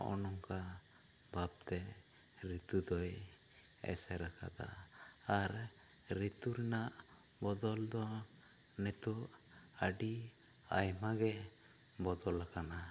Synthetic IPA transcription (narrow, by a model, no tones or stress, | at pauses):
ɔ̰nɔŋka | bʱab̚t̪ɛ | ɾit̪ud̪ɔj | ɛ̰sɛɾakʰa̰d̪a̰ː | ɾː | it̪uɾɛnaʔ | bɔd̪ɔld̪ɔ | nɛt̪uʔ | aɖi | a̰jmaɡɛ | bɔd̪ɔlakana